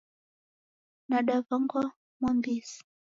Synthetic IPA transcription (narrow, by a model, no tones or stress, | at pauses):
naɗavaŋɡwa | mwambisi̥